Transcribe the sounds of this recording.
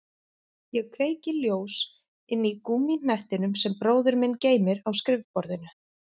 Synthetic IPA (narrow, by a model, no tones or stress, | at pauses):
jɛɣkʰveːjcɪljoːws | ɪnːikumin̥aht̪ɪnʏmsɛmpɾoːwðʏɾmɪnːceːjmɪɾawskɾɪvpɔɾðɪna